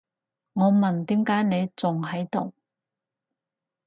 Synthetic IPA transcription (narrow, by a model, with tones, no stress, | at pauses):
ŋɔː˨˧mɐ˨nt̪iː˨˥mkaː˨˥jne˨˧jt͡sʊ˨ŋɦɐ˨˥jt̪ʊ˨˩w